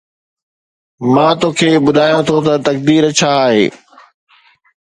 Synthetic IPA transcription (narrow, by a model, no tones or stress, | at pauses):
mãːt̪oːkʰeːɓʊɗ̪ʱaːjõt̪ʰot̪ɐt̪ɐk̚d̪iːɾɐt͡ɕʰaːɦḛː